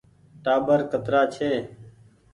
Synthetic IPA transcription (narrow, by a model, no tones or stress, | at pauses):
ʈaːbəɾkət̪ɾaːt͡ʃʰeː